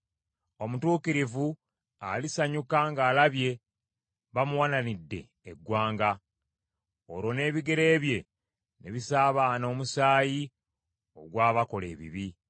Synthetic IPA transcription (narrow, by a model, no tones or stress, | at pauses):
o̞mutuːkiɾivu | alisaɲukaŋɡaːlaβje̞ | βamuwananidːe̞̰ːɡːwaːŋɡa | o̰ɾwo̞ne̞ːβiɡe̞ɾe̞ːβje̞ | neβisaːβano̞ːmusaːji | o̞̰ɡwaːβako̞le̞̰ːβḭβi